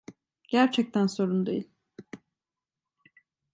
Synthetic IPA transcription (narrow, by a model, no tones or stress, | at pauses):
ɟ̥æɾt͡ʃʰɛc̚t̪ʰænso̞ɾund̪ejilʲ